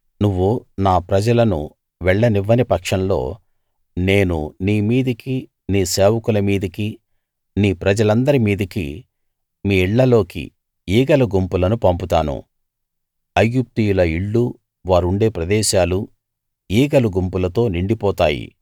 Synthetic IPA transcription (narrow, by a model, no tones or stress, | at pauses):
nuʋːunaːpɾɐd͡ʒɐlɐnṵ | ʋɛɭːɐniʋːɐnipɐkʂɐnlo̞̰ː | ne̞ːnṵniːmiːd̪ɐki | niːseːʋɐkulɐmiːd̪ɐki | niːpɾɐd͡ʒɐlɐnd̪ɐɾimiːd̪ɐkḭ | miːiɭːɐlo̞ːkḭ | iːɡɐluɡumpulɐnupɐmput̪aːnṵ | ɐjːup̚t̪ijulɐiɭːu | ʋaːɾuɳɖe̞ːpɾɐd̪ɛːʃaːlu | iːɡɐluɡumpulɐt̪o̞ːniɳɖipɔːt̪aːjḭ